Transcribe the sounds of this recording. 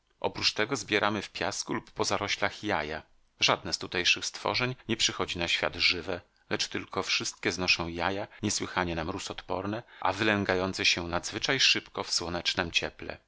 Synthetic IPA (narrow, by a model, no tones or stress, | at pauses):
ʔɔ̰pɾut͡ʂt̪ɛɡɔzbʲjɛɾʔamɘfpʲjaskulupːɔzaɾɔɕlaxjaja | ʐad̪nɛst̪ut̪ɛjʂɘxst̪fɔ̰ʐɛɲɲɛpʂɘxɔd͡ʑinaɕfʲja̰d̪ʐɘvɛ | lɛt͡ʂt̪ɘlkʰɔfʂɘst̪̚kʲɛznɔʂɔ̃w̃jajaɲɛswɘxaɲɛnamɾusɔt̪pɔɾnɛʔa̰vɘlɛŋɡajɔnt̪sɛɕɛnad̪zvɘt͡ʂajʂɘpkɔfswɔnɛt͡ʂnɛmt͡ɕɛplɛ̰